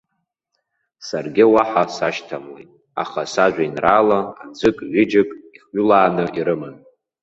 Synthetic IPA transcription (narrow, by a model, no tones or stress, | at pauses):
sarɡʲɪwaħasaʃtʰamlḛjtʼ | a̰χasaʒʷᶣainraːlaad͡zʷɨkʼɥɪd͡ʒɪkʼiχɥʏlaːnɨiɾɨmɨn